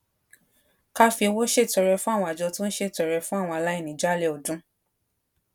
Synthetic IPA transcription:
ka˦fi˧wo˦ʃe˦˨tɔ˨˧ɾɛ˧fũ˦a˦˨wɔ̃˧a˨d͡ʒɔ˧tũ˦n̩˦ʃe˦˨tɔ˨ɾɛ˧fũ˦a˦˨w̃ɔ̃˧a˨˧la˦i˦˨nĩ˨˦d͡ʒa˦˨le˦˨ɔ˨dũ˨˦

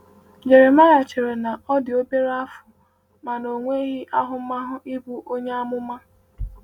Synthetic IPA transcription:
d͡ʒe˨ɾe˨ma˦ja˨t͡ʃe˨ɾe˨na˨ɔ˦dɪ˨o˦be˦ɾa˦fʊ˨ | ma˨no˨ŋʷe˦i˦ɣɪ˦ʔa˦ɦʊ˨˦ma˦ɦʊ˦ʔi˦bu˦ʔo˦ɲe˦a˦mʊ˦ma˦

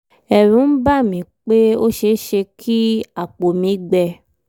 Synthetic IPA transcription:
ɛ˨ɾũ˨˦n̩˦ba˦˨mĩ˨˦k͡pe˦o˦ʃe˧˦ʃe˧kʰi˦a˨k͡po˨mĩ˨˦ɡ͡bɛ˧˨

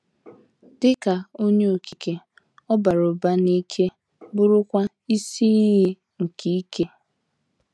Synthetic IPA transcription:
d̥ɪ˦ka˨o˦ɲe˦o˨ki˨ke˦ | ɔ˦ba˨ɾo˨ba˦ni˦kʰe˦ | bʊ˦ɾʊ˦kʷa˦ | i˦si˦ɦɪ˦ | ŋ̩˨kʰi˦i˦ke˦

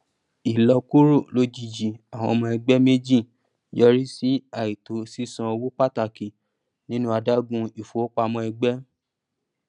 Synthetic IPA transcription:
i˨lɔ˧ku˦ɾu˦˨lo˦d͡ʒi˧˨d͡ʒi˨a˨w̃ɔ̃˧mɔ̃˧ɛ˧ɡ͡bɛ˦me˦d͡ʒi˦˨ | jɔ˧ɾi˦si˦a˦˨i˨to˨˦si˦sã˧o˧wo˦k͡pa˦ta˧˨ki˨ | nĩ˦nũ˦a˧da˦ɡũ˧i˨fo˨o˦k͡pa˧mɔ̃˧ɛ˧ɡ͡bɛ˦

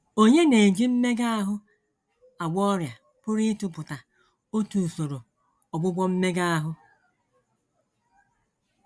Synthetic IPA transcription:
o˦ɲe˦ne˨d͡ʒi˦m̩˦me˦ɡa˦a˦ɦʊ˦ | a˨ɡ͡bɔ˦ɾja˨ | pʊ˦ɾi˦tʊ˨pʊ˨ta˨ | o˦tu˨so˨ɾo˨ | ɔ˨ɡ͡bʊ˦ɡ͡bʷɔ˦m̩˦me˦ɡa˦a˦ɦʊ˦

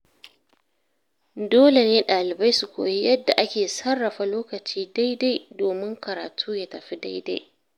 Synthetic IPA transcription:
doː˦le˨neː˦ɗaː˨lɪ˨ba˦jsu˨kʷo̰ː˨ji˦jɐ˦dːa˨ʔa˦kʲeː˨sɐ˦rːɐ˨ɸa˨loː˦kɐ˨t͡ʃiː˦da˦jda˦jdoː˨mɪ˦ŋkɐ˨ɾa̰ː˨tʰuː˦jaː˨˦tɐ˨ɸi˦da˦jda̰˦j

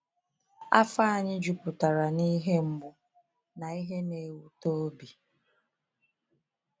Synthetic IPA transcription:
a̰˦fa˦a˦˨ɲɪ˦d͡ʒu˦pʊ˨ta˨ɾa˨ni˦ɦe˦m̩˦bʊ˦ | na˨i˦ɦe˦ne˨e˨wu˦to˦bi˨

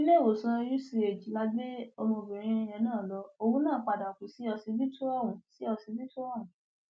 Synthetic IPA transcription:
i˦le˦˨wo˨sã˧ju˦si˧e˨d͡ʒi˨˦la˦be˦o˧mõ˧˨bĩ˨ɾ̃ĩ˧jɛ̃˨˦nãː˦˨lɔ˨˧˦o˧wũ˦nãː˦˨k͡pa˨da˨o˨ki˨˦si˨˦ɔ˧si˨˧˦bi˦tu˦ɔ˦˨wũ˨˦si˨˦ɔ˧si˨˦bi˦tu˦ɔ˦˨wũ˨˦

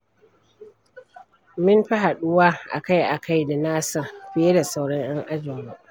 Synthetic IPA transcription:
mɪ˦nɸi˦ɦa˨ɗʊ˦waː˦ʔa̰˨ka˦jʔa˨ka˦jda˨naː˦sɐ˨rɸɪ˨je˦da˨sa˦wɽɔ˦ɲj̰ɛ˦ŋʔa˦d͡ʒɪ˨mu˦ʔ

